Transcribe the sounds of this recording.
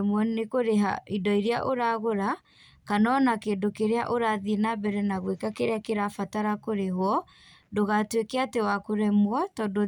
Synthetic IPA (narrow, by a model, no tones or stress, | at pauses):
mwɔnekoɾeɦa̰idɔiɾeaʔoɾaɣoɾa | kanɔnakeːdokeɾeaʔoɾaðienabɛɾɛnaɣwekakeɾeakeɾafataɾakoɾeɦwɔ | doɣatwekɛatewakoɾɛmwɔtɔdo